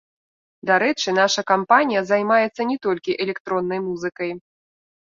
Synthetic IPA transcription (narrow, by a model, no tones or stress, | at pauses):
d̪aɾɛt͡ʂɨnaʂɐkampanʲijɐzajmajɛt̪sːɐnʲɛt̪ɔlʲkʲiʔɛlʲɛkt̪ɾɔnːɐjmuzɨkɐj